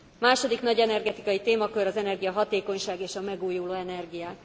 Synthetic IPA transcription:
maːʃo̞d̪iknɒɟɛnɛrɡɛt̪i̥kɒjit̪eːmɒkøɾɒzɛnɛrɡijɒɦɒt̪eːko̞ɲʃaːɡeːʃɒmɛɡuːjuloːɛnɛrɡijaː

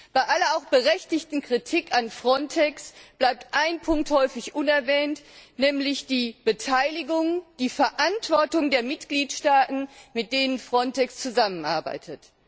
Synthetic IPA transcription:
b̥aɪʔalɐaʊxb̥əʁɛçtɪçtn̩kʁ̥itʰɪkanfʁ̥ɔntʰɛksb̥laɪp̚tʔaɪnpʰʊŋk̚thɔʏfɪçʔʊnɛɐvɛːntnɛːmlɪçd̥iːb̥ətʰaɪlɪɡʊŋd̥iːfɛɐʔantv̥ɔɐtʊŋdeːɐmɪtɡ̥liːtʃtaːtn̩mɪt̚d̥eːnənfʁ̥ɔntɛkst͡suzamənʔa̰ɐba̰ɪtʰət

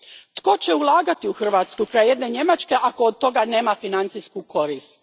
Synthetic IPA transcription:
t̪ko̞t͡ɕe̞ulˠaːɡat̪iuxr̩ʋat̪skukɾajejed̪ne̞ɲe̞mat͡ʃke̞ʔakood̪̚t̪o̞ɡane̞ːmafinant̪siskuko̞ɾist̪

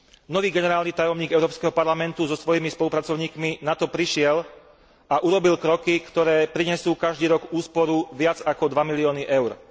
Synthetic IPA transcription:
nɔʋiːɡɛnɛɾaːlnit̪ajɔmɲiːɡɛʊɾɔːpskɛːɦɔpaɾlamɛnt̪uzɔsʋɔjimispɔlupɾat͡sɔʊɲiːkminat̪ɔpɾiʃɪɛl | aʔuɾɔbilkɾɔkikt̪ɔɾɛːpɾiɲɛsuːkaʒd̪iːɾɔɡuːspɔɾuʋɪad͡zakɔd̪ʋamiliɔːniʔɛʊɾ

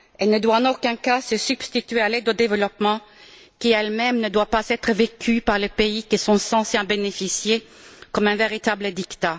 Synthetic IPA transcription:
ɛlnəd̪waɑ̃nokɛ̃kasəsyb̥st̪it̪ɥealɛd̪od̪evəlɔpmɑ̃ | kʲiɛlmɛmnəd̪wapazɛt̪χəvekʲʰypaʁlepeikisɔ̃sɑ̃seabenefisje | kɔmɛ̃veʁit̪abləd̪ikt̪a

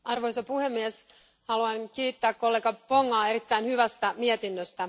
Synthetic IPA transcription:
ʔɑrʋo̞jsɑpuhe̞mːies | hɑluɑnkiːt̪ːæːkko̞lːeɡɑpo̞ŋːɑːe̞ɾit̪ːæinhyʋæst̪æmiet̪inːøst̪æ

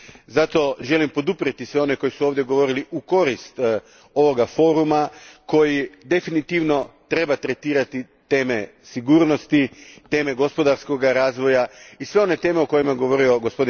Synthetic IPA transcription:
zat̪o̞ʒe̞limpo̞d̪upɾiet̪isʋe̞o̞ne̞ko̞jisuoʋd̪jeɡo̞ʋo̞ɾiliʔuko̞ɾist̪ | o̞ʋo̞ɡafo̞ːɾumako̞jid̪e̞finit̪iʋno̞t̪ɾe̞bat̪ɾe̞t̪iːɾat̪i | t̪e̞ːme̞siɡuːɾno̞st̪it̪e̞ːme̞ɡo̞spo̞d̪aɾsko̞ɡaɾaːzʋo̞jaisʋe̞one̞t̪e̞ːmeoko̞jimaɡo̞ʋo̞ɾio̞ɡospo̞d̪i

